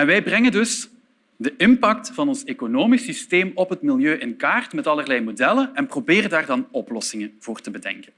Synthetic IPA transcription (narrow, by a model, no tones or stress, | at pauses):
ɛnʋɛjbrɛŋəndɵs | dəʔɪmpɑk̚tfɑnɔnsekonoːmisisteːmɔpɦətmɪljøːʔɪnkaːrtmɛtɑlərlɛjmodɛlənɛnprobeːɾəndaːrdɑnɔplɔsɪŋənv̥oːrtəbədɛ̰ŋkən